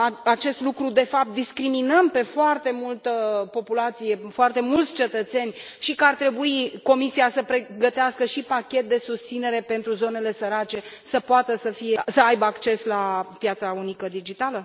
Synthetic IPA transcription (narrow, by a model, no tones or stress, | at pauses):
aat͡ʃe̞st̪lukɾud̪e̞fap̚t̪̚d̪iskɾiminəmpe̞foart̪e̞mult̪əpo̞pulat̪sije̞foart̪e̞mult̪sʲt͡ʃe̞t̪ət̪se̞nʲ | ʃikəart̪ɾe̞buiko̞misiasəpɾeɡət̪easkəʃipakʲe̞t̪̚d̪e̞sust̪sine̞ɾe̞pe̞nt̪ɾuzo̞ne̞le̞səɾat͡ʃe̞ | səpoat̪əsəfije̞səajbəakt͡ʃe̞slapjat̪saunikəd̪id͡ʒit̪alə